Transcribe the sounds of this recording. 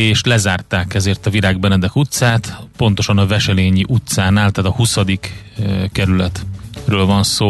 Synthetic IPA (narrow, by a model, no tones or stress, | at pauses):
eːʃlɛzaːrt̪aːkɛzeːrt̪ɒviɾaːɡ̚bɛnɛd̪ɛkut̪saːt̪po̞nt̪o̞ʃɒnɒvɛʃɛleːɲiʔut̪saːnaːlt̪aːt̪ɒhusɒd̪ik | kːɛɾylɛt̪røːlvɒnsoː